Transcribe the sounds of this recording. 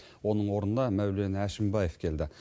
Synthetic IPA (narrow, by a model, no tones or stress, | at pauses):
wo̞nəɴwo̞ɾənd̪ɑmæwle̞næʃɪmbɑje̞fkʲʰe̞ld̪ɪ